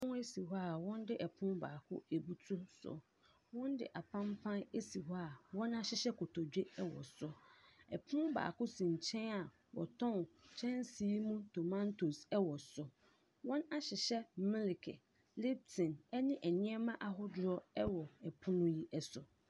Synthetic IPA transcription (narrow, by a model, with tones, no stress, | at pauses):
pʊ̃˦e˦si˨ɦɔ˦a˨wɔ̃˦n˦dɪ˦ʔɛ˨pʰʊ̃˦baː˨kʰʊ̰˦e˨bu˦tʰu˦sʊ̰˨ | wɔ̃˦ndɪ̰˦ʔa˨pʰã˦mpʰã˦ne˦si˨ɦɔ˦a˨wɔ̃˦na˦ɕɪ˨ɕɛ˦kʰʊ˨tʰɔ˨d͡ʑᶣe˦ɛ˦wɔ̰˨sʊ˦ɛ˨pʰʊ̃˦ba̰ː˨kʊ˦sĩ˨ɲ˨t͡ɕʰɛ̃˦na˨ | wɔ̰˨tʰɔ̃˦˨nt͡ɕʰɛ̃˦nsiː˦mũ˦tʰo˨mã˦ntʰo˨sɛ˦wɔ˨sʊ˦ | wɔ̃˦na˦ɕɪ˨ɕɛ˦mɪ̃˦lɪ˨kʰɪ̰˨ | lɪ˦b̚tʰɪ̃˨nɛ˦nɪ̃˦ʔɛ˨ɲɪ̃˦ɛ˦mã˦ʔa˦ɦʊ˦dʊ˨˦ɾɔ˦ɛ˦wɔ˨ɛ˨pʰʊ̃˦nʊ̃˦ji˦ʔɛ˦sʊ˨